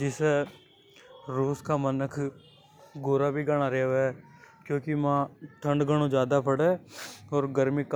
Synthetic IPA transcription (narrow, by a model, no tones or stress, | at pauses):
d͡ʒɪseː | ɾuːskaːmənəkʰ | ɡoːɾaːbʱiːɡaɽ̃aːɾeːʋɛːkjõːkɪmãːʈ̪ʰəɳɖɡəɽ̃õːd͡ʒjaːd̪aːpəɽeːɔːɾɡəɾmik